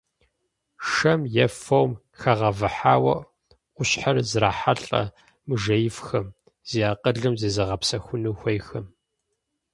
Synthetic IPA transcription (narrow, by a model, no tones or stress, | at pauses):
ʂɐmjɛfowm | xɐʁɐvɨħaːwɐʔ | ʔʷʊɕħarzraːħaɬʼɐ̰ | mɨʒɐjɪfxɐm | z̥ijaːqəɮɨmzeːzɐʁɐpsɐxʷʊnuːxʷɐjxɐm